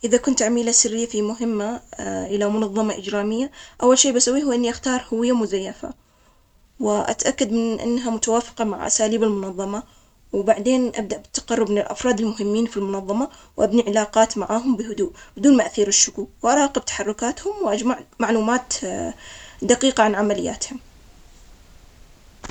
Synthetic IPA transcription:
ʔɪðakʊnt̪ʕamiːlasɪrːɪjːafimʊɦɪmːaʔɪlamʊnɑðˤːɑmaʔɪd͡ʒɾaːmɪjːaʔawːalʃeːbasawːiːhuːʔɪnːiʔaxt̪ɑːɾˤhʊwɪjːamʊzajːafa̰ | wɪʔa̰t̪ʔakːad̪mɪnʔɪ̰nːɦamʊt̪awaːfɪ̥qɑmaʕʔa̰saːliːbɪlmʊnɑðˤːɑma | wbaʕd̪eːnʔa̰b̚d̪aʔbɪt̪ːḁqɑrːɪbmɪnɪlʔɑ̰fɾˤɑːd̪ɪlmʊɦɪmːiːnfilmʊnɑðˤːɑmawʔabniʕɪlaːqɑːt̪maʕaːɦʊmbɪhʊd̪uːʔbɪd̪uːnmaʔθiːɾɪʃːʊkuːwʔɑɾˤɑːqɨb̚t̪ḁħɑrˤːʊkaːt̪hʊmwʔad͡ʒmaʕmaʕluːmaːt̪ | d̪aqiːqaʕanʕamalɪjːa̰ːt̪hʊm

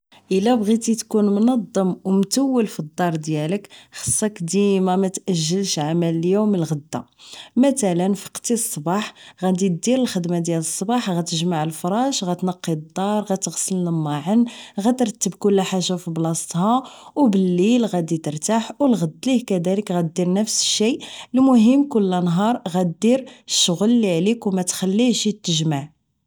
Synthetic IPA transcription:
ʔəlːæbɣit̪it̪kunmnɑd̪ˤːəmwmt̪əwːəlfid̪ˤːɑɾˤd̪jæləkxɑ̥sˤːɑkd̪imamæt̪ʔæʒːəlʃʕamæləljumːəlɣəd̪ːa̰mæt̪ælənfi̥qt̪isˤːbɑħɣæd̪id̪iɾəlxəd̪mad̪jæləsˤːbɑħɣæt̪əʒmaʕəlfɾˤɑʃɣæt̪nɑqːid̪ˤːɑɾˤɣæt̪əɣsəlnəmːɑʕənɣæt̪əɾˤt̪ːəbkʊlːæħaʒːafiblɑsˤt̪hɑwbəlːilɣæd̪it̪əɾt̪aħwlɣəd̪ːlihkæd̪æləkɣæt̪̚d̪iɾnəfsə̥ʃːilmʊɦəmːkʊlːænɦɑɾˤɣæd̪iɾəʃːʊɣlːiʕlikwmæt̪xælːiʃt̪ːəʒmaʕ

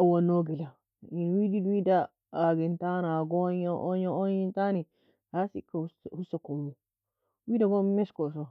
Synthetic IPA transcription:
awanːoɡila | inwididwida | aɡintanaɡɔɲaʔɔɲɔɔɲintani | hasikːahusakɔmːu | wiːdaɡɔmɛskɔsɔ

